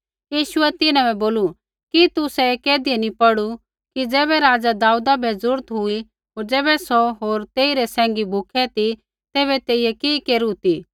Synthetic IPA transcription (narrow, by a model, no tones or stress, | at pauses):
jiːʃʊɛt̪ɪnãbɛboːlu | kit̪ʊsɛkeːd̪iɛnipɐɽu | kid͡zɛːbɛɾaːd͡zad̪aːuːd̪abɛzʊɾt̪ɦʊi | ɦoːɾd͡zɛːbɛsɔɦoːɾt̪eːiɾɛsɛ̃ːŋ̆ɡibʱʊkʰɛt̪i | t̪ɛːβɛt̪eːijɛkiːkeːɾut̪i